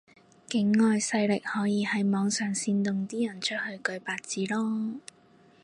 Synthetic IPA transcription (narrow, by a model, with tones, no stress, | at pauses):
kɪ˨˥ŋːɔː˨jsɐ˧jlɪ˨k̚hɔː˨˥jiː˨˧hɐ˨˥jmɔː˨˧ŋsœː˨ŋsiː˧nt̪ʊ˨ŋt̪iː˥jɐ˨˩nt͡ʃʰt̚hɵ˧ɥkɵ˧ɥpaː˧t̚t͡siː˨˥lɔː˥